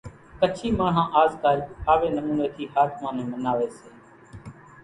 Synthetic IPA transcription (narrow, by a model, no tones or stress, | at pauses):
kət͡ʃʰiːmãːɳ̤ãːʔaːzk̪aːihaːʋeːnəmuːneːt̪ʰiːhaːt̪ʰmãːn̤ũːmənaːʋeːseː